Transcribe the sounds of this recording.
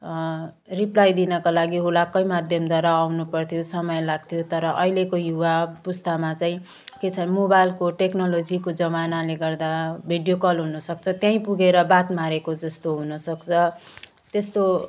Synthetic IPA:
riplajd̪inʌkalaɡiɦulakʌjmad̪ʱjʌmd̪ʱaɾaːwnupʌrt̪ʰijosʌmʌjlaɡ̚t̪ʰijot̪ʌɾʌʔʌilekojuwapust̪amat͡saĩ | ket͡sʰʌnmobajlkoʈeknʌlod͡zikod͡zʌmanaleɡʌrd̪abʱiɖijokʌlɦunʌsʌk̚t͡sʰʌt̪jãĩpuɡeɾʌbat̪maɾekod͡zʌst̪oɦunʌsʌkt͡sʰʌ | t̪est̪o

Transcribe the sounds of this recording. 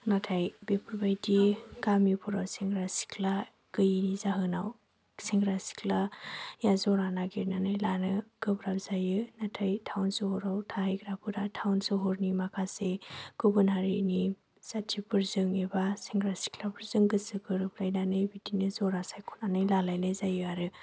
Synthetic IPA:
natʰajbepʰuɾbajdiɡamipʰuɾawsiŋɡɾasi̥kla | kɯjinizaɦɯnaw | siŋɡɾasi̥kʰlajazɔɾanaɡiɾnanɯjlanɯɡ̥ɯbɾap̚zajɯnatʰajtʰawnsɯhɔɾawtʰahajɡɾapʰɯɾatʰawnsɯɦɔɾnimakʰaseɡ̥ɯbɯnaɾini | satʰibɯɾzɯŋebasiŋɡɾasi̥kʰlabɯɾzɯŋɡɯsɯkɯɾɯplajnanɯbidinɯzɔɾasajkʰu̥nanɯjlalajlajzajɯaɾɯ

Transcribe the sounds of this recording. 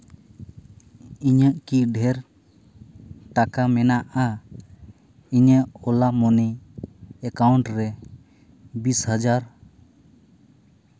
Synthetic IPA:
iɲəʔkiɖʱɛɾ | ʈakamɛnaʔa | iɲəʔɔlamɔniː | kawɳʈɾɛ | bishəd͡ʒaɾ

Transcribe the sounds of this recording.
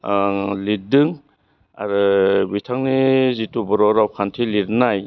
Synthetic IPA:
lidɯŋ | a̰ɾɯbitʰaŋnizitubɔɾɔɾawkʰantʰiliɾnaj

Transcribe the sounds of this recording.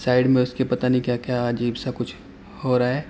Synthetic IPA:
saːɪɖmẽʊskepɐt̪anĩkjaːkjaːɐd͡ʒiːbsakʊt͡ʃʰ | hoɾaaɦɛː

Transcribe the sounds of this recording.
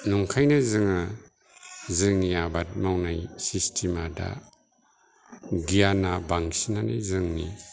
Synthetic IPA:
nuŋkʰajnazɯŋa | zɯŋniabat̚mawnajsistʰimada̰ | ɡijanabaŋsinanḭzɯŋni

